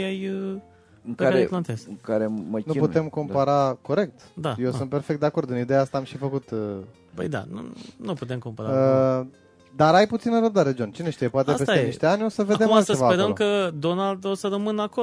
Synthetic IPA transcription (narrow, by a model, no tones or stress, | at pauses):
jajə | ɨŋkaɾeplant̪ezɨŋkaɾemənuput̪e̞mko̞mpaɾako̞ɾe̞k̚t̪d̪ajewsunt̪̚pe̞rfekt̪̚d̪eako̞rd̪ɨnid̪ejaast̪aamʃifəkut̪ə | pə̰jd̪a̰nṵnuput̪e̞mkompaɾaə | d̪aɾajput̪sinəɾəb̚d̪aɾe̞d͡ʒont͡ʃine̞ʃt̪ijepoat̪epeseeiʃt̪eanʲo̞səve̞d̪esəesvapeɾəmkəd̪o̞nald̪osəɾəmɨnako